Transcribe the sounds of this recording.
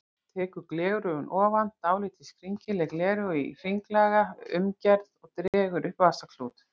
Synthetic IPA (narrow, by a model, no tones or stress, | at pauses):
t̪ʰɛːkʏɾklɛːɣɾʏʏnʔɔːvant̪ːaːwliːt̪iskʰɾiɲcɪlɛɣlɛːɾʏifiŋklɛːɣaʏ̰mcɛɾðɔɣt̪ɾɛːɣʏɾʔʏhpvasakʰl̥uːt̪